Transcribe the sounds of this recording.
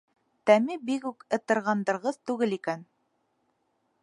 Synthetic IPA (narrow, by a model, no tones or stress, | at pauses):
t̪æmibikʉkɤ̆t̪ɤ̆ɾʁɑnd̪ɤ̆ɾʁɤðt̪ʉɡɘlikæn